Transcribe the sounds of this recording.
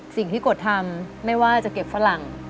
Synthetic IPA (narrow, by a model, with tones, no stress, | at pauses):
si˨˩ŋt̪ʰiː˥˩ko˨˩t̪ʰːa˧mːa˥˩jwaː˥˩t͡ɕa˨˩ke˨˩p̚fa˧˥la˨˩ŋ